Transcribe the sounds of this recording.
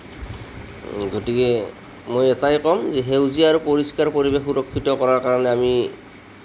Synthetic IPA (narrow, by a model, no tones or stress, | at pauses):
ɡotikɛ | mojɛtajkɔmzɛɦewziaɹupoɹiskaɹpoɹibexuɹɔkʰːitɔkɔɹaɹkaɹɔnɛami